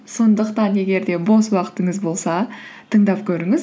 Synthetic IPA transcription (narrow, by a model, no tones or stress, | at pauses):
so̞nd̪əqt̪ɑne̞ɡʲe̞ɾd̪e̞bo̞swɑqə̥t̪əɴəzbo̞lˠsɑt̪ʰəɴd̪ɑpkʲʰɵɾɪŋɪz